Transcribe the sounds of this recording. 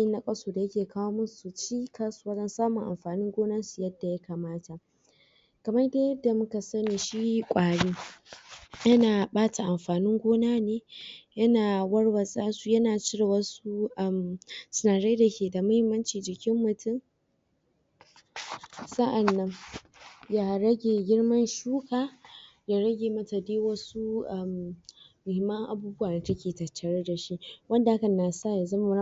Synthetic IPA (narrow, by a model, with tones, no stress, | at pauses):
jɪ˦nːa˦kʼɐ˦soː˨da˨jɐ˦kʲeː˨kʰaː˦woː˦mʊ˦su˨t͡ʃiː˦kʰaː˦su˦waː˦d͡ʒɐ˦nsaː˦mʊ˨ŋʔa̰˨mɸaː˨nɪ˦ŋɡʷoː˦naː˦su˨jɐ˦dːa˨ja˦kaː˨maː˦tʰa˨ | kɐ˨mɐ˦rdeː˦jɐ˦dːa˨mʊ˦ka˨sɐ˦niː˨ʃi˦kʷʼaː˨ɽiː˦ | jɐ˦naː˨ɓaː˦ta˨ʔa˨mɸaː˨nɪ˦ŋɡʷoː˦naː˦neː˦jɐ˦naː˨wɐ˦rwɐ˨sʼaː˦su˦jɐ˦naː˨t͡ʃi˦ɾa˨wɐ˦su˦ʔɐ˦msʊ˨naː˨ɽa˦da˨kʲeː˨da˨mʊ˦hɪ˦mːɐ˦nt͡ʃiː˨d͡ʒɪ˨kʲɪ˦mːʊ˨tʊ˦˨m | sɐ˦ʔa˨nːɐ˦ŋ | jaː˦ɾɐ˦ɡʲeː˨ɡʲɪ˦ɽmɐ˦nʃuː˦kaː˨ | ja˨ɾɐ˦ɡʲeː˨mɐ˦ta˨deː˦wɐ˦su˦ʔa˨mː | ʊ˨hɪ˨mːɐ˦ŋʔa˨buː˦bʊ˦waː˨neː˨tɐ˦kʲeː˨tɐ˨t͡ʃːɐ˨ɽa˦da˨ʃi˦wɐ˦nda˨ʔa˦kɐ˨na˨sa˦˨ja˨zɐ˦ma˦˨˦